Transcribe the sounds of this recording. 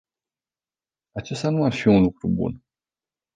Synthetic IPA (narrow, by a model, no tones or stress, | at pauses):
at͡ʃe̞st̪anuarfiunlukɾṵbṵn